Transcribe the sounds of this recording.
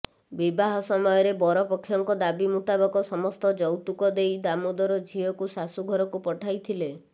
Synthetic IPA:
bibaɦɔsɔmɔjɔɾebɔɾɔpɔkʰːjɔŋkɔd̪abimut̪abɔkɔsɔmɔst̪ɔd͡ʒɔwt̪ukɔd̪ejd̪amod̪ɔɾɔd͡ʒʱiɔkusasuɡʱɔɾɔkupɔʈʰajt̪ʰile

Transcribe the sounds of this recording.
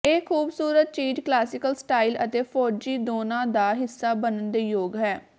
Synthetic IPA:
eːkʰuːbsuːɾət̪̚t͡ʃiːʈklaːsɪkəlsʈaːilə̰t̪eːpʰɔːd͡ʒiːd̪oːnãːd̪aːɦɪsːaːbənənd̪eːjoːɡɦɛː

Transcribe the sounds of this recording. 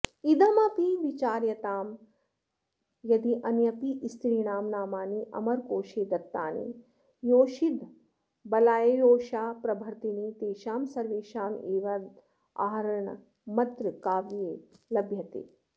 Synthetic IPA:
id̪ɐmɐpiʋit͡ʃaːɾjɐt̪aːm | jɐd̪iʔɐnjɐpiʔist̪ʰɾiːnaːmnaːmaːniʔɐ̰mɐɾkoːʃeːd̪ɐt̪ːaːnḭ | joːʃid̪ | bɐlaːjɐjoːʃaːpɾɐbʱɐɾt̪iniːt̪eːʃaːmsɐɾʋeːʃaːmeːʋɐd̪ | a̰ːɾɐɳɐ̰ | mɐt̪ɾɨkaːʋjeːlɐbʱjɐt̪ḛː

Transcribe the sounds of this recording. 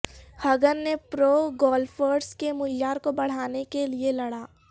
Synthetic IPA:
hɐɡənːepɾoːɡɔːlfəːɖskemʊljaːɾkobɐɽ̤aːnekelielɐɽ̤aː

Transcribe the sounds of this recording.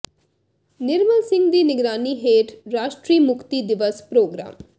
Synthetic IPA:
nɪɾməlsɪ̃ŋɡd̪iːnɪɡɾaːniːɦeːʈɾaːʃʈɾiːmʊkʰt̪iːd̪ɪʋəspɾoːɡɾa̰ːm

